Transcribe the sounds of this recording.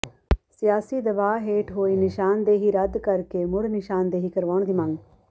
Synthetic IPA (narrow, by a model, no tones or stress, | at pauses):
sɪjaːsid̪əʋaːɦeːʈɦoːiːnɪʃaːnd̪eːɦiːɾəd̪kəɾkemʊɽnɪʃaːnd̪eːɦiːkəɾʋaːɳ̃d̪imə̃ŋɡ